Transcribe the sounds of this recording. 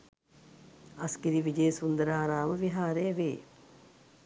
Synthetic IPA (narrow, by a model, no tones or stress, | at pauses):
ɐskiɾiʋid͡ʒeːsund̪əɾaːɾaːməʋiɦaːɾejəʋeː